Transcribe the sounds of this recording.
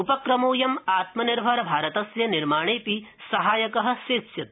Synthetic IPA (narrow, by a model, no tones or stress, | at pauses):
upɐkɾɐmoːjɐmaːt̪mɐniɾbʱɐɾɐbʱaːɾɐt̪ɐsjɐniɾmaːɳ̃eːpisɐɦaːjɐkɐɦɐ̆seːsjɐt̪̚